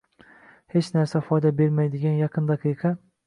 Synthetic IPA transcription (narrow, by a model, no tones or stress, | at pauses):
he̞t͡ʃnaɾsafɒjd̪abe̞ɾmajd̪ɪɡʲanjɑqʰɨnd̪ɑqʰɨjqʰɑ